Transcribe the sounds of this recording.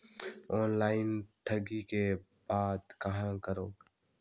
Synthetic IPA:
oːnlaːɪnʈʰəɡiːke | baːd̪kəɦãːkəɾoː

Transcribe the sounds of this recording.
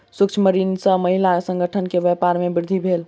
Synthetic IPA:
sukt͡ʃʰməɾinsə̃məɦilasə̃ŋɡʱəʈʰənkebjɛpaɾmebiɾd̪ʱibʱel

